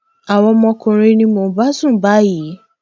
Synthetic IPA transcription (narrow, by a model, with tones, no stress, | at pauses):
a˨wɔ̃˧mɔ̃˧kũ˧ɾ̃e˧nĩ˧mo˨ba˦sũ˦˨ba˨˦ji˨˦